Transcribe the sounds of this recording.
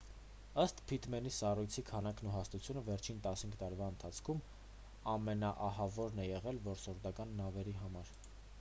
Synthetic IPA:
əst̪pʰit̪mɛnisɑrujt͡sʰikʰɑnɑknuɦɑst̪ut͡sʰjunəvɛɾt͡ʃʰint̪ɑshiŋɡʰt̪ɑɾvɑənt̪ʰɑt͡sʰkʰum | ɑmɛnɑʔɑhɑvɔɾnɛjɛʁɛlvɔɾsɔɾd̪ɑkɑnːɑvɛɾiɦɑmɑɾ

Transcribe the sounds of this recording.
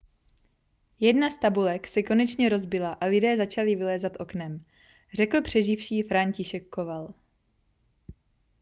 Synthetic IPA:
jɛdnast̪abulɛksɛko̞nɛt͡ʃɲɛɾo̞zbɪlaʔalɪdɛːzat͡ʃalɪvɪlɛːzat̪ʔo̞knɛm | r̝ɛkl̩pr̝̥ɛʒɪfʃiːfɾaɲcɪʃɛkːo̞val

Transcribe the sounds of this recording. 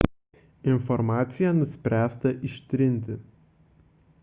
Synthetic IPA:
ɪnfɔɾmɑːt̪sʲɪjænʊsʲpʲɾʲæːst̪ɐʔɪʃʲt̪ʲɾʲɪnʲˑt̪ʲɪ

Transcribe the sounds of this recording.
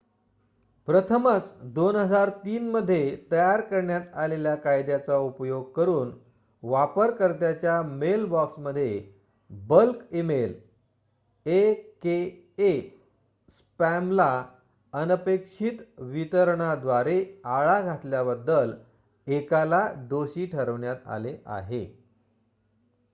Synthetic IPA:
pɾət̪ʰəmət͡sd̪onɦəd͡zaɾt̪iːnməd̪ʱːjet̪əjaɾkəɾɳjat̪aleljakajd̪jat͡saupjoɡ̚kəɾuːn | ʋapəɾkəɾt̪jat͡ɕjamelbɔksməd̪ʱːje | bəlkemel | eke | e | s | pæmla | ənəpekʂit̪ʋit̪əɾɳ̃ad̪ʋaɾeaɭaɡʱat̪ljabəd̪ːəl | ekalad̪oɕiːʈʰəɾəʋɳjat̪a̰leʔa̰ɦe

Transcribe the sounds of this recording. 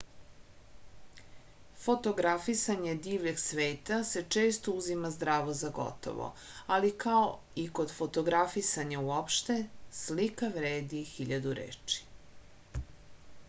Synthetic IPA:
fo̞t̪o̞ɡɾafisaɲe̞d̪iːʋʎeɡsʋeːt̪ase̞t͡ʃe̞ːst̪ouzimazd̪ɾaːʋo̞zaɡo̞̰t̪o̰ʋo̰ | alikao | iko̞d̪fo̞t̪o̞ɡɾafisaɲauopʃt̪e̞slikaʋɾeːd̪ixiʎad̪uɾḛːt͡ʃi̥

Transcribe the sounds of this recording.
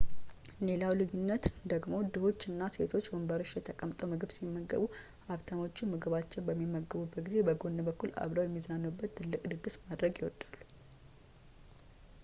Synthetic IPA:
le̞lawlɨjunːət̪d̪əɡmo̞d̪ɨho̞t͡ʃːɨnːase̞t̪ʰo̞t͡ʃːbəmbəɾot͡ʃːjɛt̪ʰəkʼəmt̪ʼəwmɨɡɨbsimːəɡːə̰βu | ʔaβt̪ʰamo̞t͡ʃːumɨɡɨβat͡ʃːɛnbəmːimːəɡəβubːət̪̚ɡize̞bəɡo̞nːəbəkːula̰βləwjɛmːizanːəwubːət̪t̪ːɨlːɨkʼd̪ɨɡɨsmad̪ɾəɡjɪwɔd̪̥alːu

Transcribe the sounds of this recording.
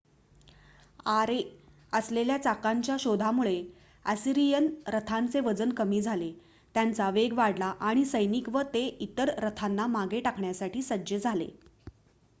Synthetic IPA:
aɾe | əsleljat͡sakaɲt͡ɕjaɕod̪ʱamuɭe | əsiɾijənɾət̪ʰant͡seʋəd͡zənkəmiːd͡zʱale | t̪jant͡saʋeɡʋaɽlaʔaɽ̃isəjnikʋət̪eit̪əɾɾət̪ʰanːamaɡeʈakʰɳjasaʈiːsəd͡ʑəd͡zʱalḛ

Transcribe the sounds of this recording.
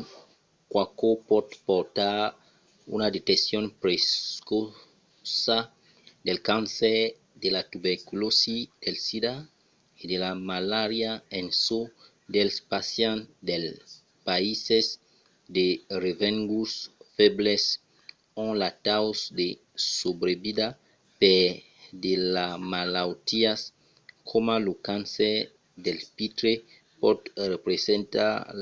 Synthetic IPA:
kwakopɔd̪poɾt̪a | ṵnad̪et̪esjõnpɾeko | sa | d̪elkãnse | d̪elat̪ubeɾkulosid̪elsida | ed̪elamalaɾjaẽnso | d̪elspasjãnd̪el | paises | d̪erevẽŋɡusfebles | õnlat̪awsd̪e | sobɾebida | pe | d̪elamalawt̪ias | kʰomalokãnse | d̪elpit̪ɾe | pɔt̪repɾesẽnt̪a̰

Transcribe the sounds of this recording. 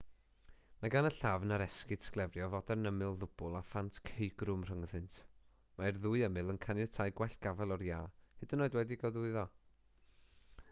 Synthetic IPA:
maɡanəɬavnaɾɛskɪd̥sklˠɛvrjɔvɔdɛrnəmɪlˠðʊb̥ʊlˠafantʰkʰejɡrʊmr̥əŋðɨntʰ | maɛrðʊɨəmɨlˠənkʰanjɛtʰajɡwɛɬɡ̥avɛlˠɔrjaːhɨdənːoɨdwɛdiɡawðuɨðɔ

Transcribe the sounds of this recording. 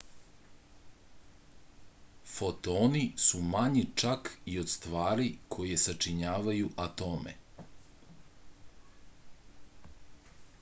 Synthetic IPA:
fo̞t̪oːnisumaɲit͡ʃakio̞d̪st̪ʋaːɾikʰo̞je̞sat͡ʃiɲaːʋajuʔat̪omḛ

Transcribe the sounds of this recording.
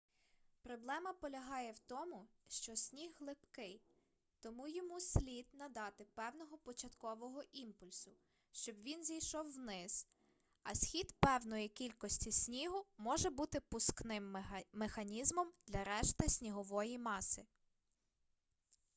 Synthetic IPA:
pɾɔblˠɛmɐpɔlʲɐɦɑjɛwt̪ɔmʊʃt͡ʃɔsʲnʲiɦːlˠɪpkɪj | t̪ɔmujɔmusʲlʲid̪nɐd̪ɑt̪ɪpɛwnɔɦɔpɔt͡ʃɐt̪kɔʋɔɦɔʔimpʊlʲsʊ | ʃt͡ʃɔbʋʲinzʲijʃɔwːnɪz̥ | ɐsʲxʲid̪pɛwnɔjikʲilʲkɔsʲtʲisʲnʲiɦʊmɔʒɛbut̪ɪpʊsknɪmːexɐnʲizmɔmd̪̥lʲɐɾɛʃt̪ɪsʲnʲiɦɔʋɔjimɑsɪ

